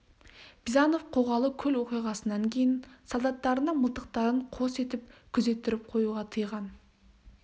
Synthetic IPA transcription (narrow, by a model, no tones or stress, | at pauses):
b̥zɑno̞fqʰo̞ʁɑlˠəkʲʰɵlwo̞qijʁɑsənɑŋkʲʰe̞jɪnsolˠd̪ɑt̪ːɑɾənəɴməlˠt̪əq̚t̪ɑɾəɴqʰo̞se̞t̪ɪp̚kʲʰʏze̞t̪ːɪɾɪp̚qʰo̞juʁɑt̪ʰəjʁɑn